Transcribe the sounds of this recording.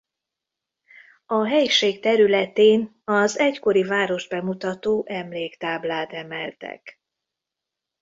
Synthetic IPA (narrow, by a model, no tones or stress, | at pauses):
ɒɦɛjiʃeːkt̪ɛɾylɛt̪eːn | ɒzɛcko̞ɾivaːɾo̞ʒ̚bɛmut̪ɒt̪oːʔɛmleːkt̪aːblaːt̪ɛmɛlt̪ɛ̰k